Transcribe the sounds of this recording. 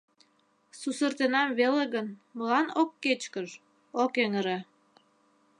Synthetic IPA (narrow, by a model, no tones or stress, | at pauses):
susərt̪enɑmβeleɣənməlɑnokːet͡ɕkəʒ | okeŋəɾe